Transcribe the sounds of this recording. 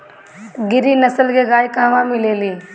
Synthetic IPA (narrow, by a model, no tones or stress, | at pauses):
ɡɪɾiːnəsəlkeːɡaːikãːʋãmɪleːliː